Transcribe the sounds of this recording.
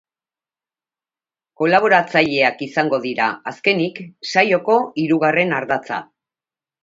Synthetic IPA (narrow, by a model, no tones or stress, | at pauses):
ko̞laβ̞o̞ɾat͡saʎe̞akisaŋɡo̞ðiɾaaske̞niksajo̞ko̞iɾuɣare̞naɾðat͡sa̰